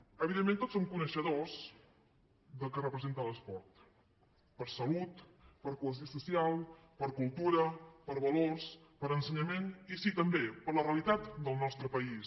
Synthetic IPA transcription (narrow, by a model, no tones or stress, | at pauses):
əβiðemːent̪otsomkunəʃəðos | d̪əlˠkərəpɾəzent̪ələspɔɾt̪ | pəɾsəlut̪ | pəɾkuləs̬iosusialˠ | pəɾkulˠt̪uɾəpəɾβəlorspəɾənsəɲəmenisit̪əmbepəɾlərəlit̪at̪d̪əlˠnɔst̪ɾəpəis